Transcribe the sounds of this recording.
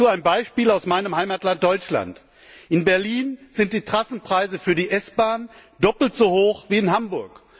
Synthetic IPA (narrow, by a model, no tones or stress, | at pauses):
uːaɪnbaɪʃpiːlaʊsmaɪnəmhaɪmaːtlant̚d̥ɔʏt͡ʃla̰nt | ʔɪnbɛɐliːnz̥ɪnt̚d̥iːtʁ̥asn̩pʁ̥aɪzəfyːɐdiːʔɛsb̥aːndɔpl̩tz̥ohoːxv̥iːɪnɦambʊɐk